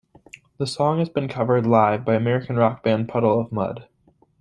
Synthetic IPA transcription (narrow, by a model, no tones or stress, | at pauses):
ðəsɔ̃ŋhɨzbɨ̃nkʰʌvə˞dˡlaɪvbaɪɨmɛɹɨkn̩ɹɑk̚b̥æ̃npʰʌɾl̩ˠʌvmʌ̰d̥